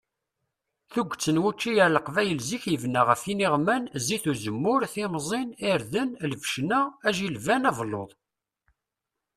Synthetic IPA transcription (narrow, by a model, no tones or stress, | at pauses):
θuɡʷt͡sːənwut͡ʃːijələqvæjəlziçjəvnaʁəfiniʁmænziθuzəmːʊɾθimzˤɪniɾðənləfʃnææʒilvænævlːo̰ðˤ